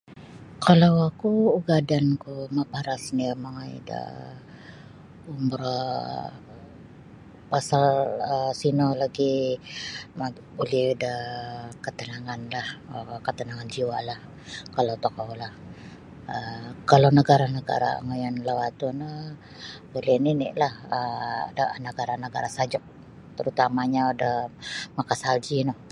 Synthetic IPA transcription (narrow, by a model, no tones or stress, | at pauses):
kʰalawakuuɡadankumapaɾasniamaŋaj̰də̰ | umɾa | pasaləsinolaɡi | ma | bulihudahkət̪ənaŋanlahəkət̪ənaŋand͡ʒiwalah | kalot̪okowlah | əkalonəɡaɾanəɡa̰ɾa̰ŋəjanlawat̪unə | bulininḭʔlahə̰danəɡaɾanəɡaɾasad͡ʒʊk̚ | t̪əɾut̪amaɲaudahmakasald͡ʒinoh